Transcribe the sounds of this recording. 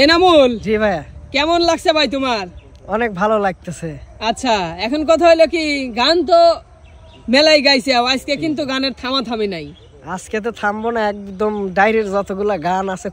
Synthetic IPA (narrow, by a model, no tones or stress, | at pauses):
enamuld͡ʑibʱajakɛmonlaksʰabʱajt̪omaɾ | ɔnek̚bʱalolaɡ̚t̪esʰeatːɕʰaɛkʰonkɔt̪ʰaɦojlokiɡant̪̬o | mɛlajɡajsiawaskekint̪̬uɡaneɾt̪ʰamat̪ʰamenaj | asket̪̬et̪ʰambɔnaɛk̚d̪omɖajɾeɾzɔt̪oɡulaɡanase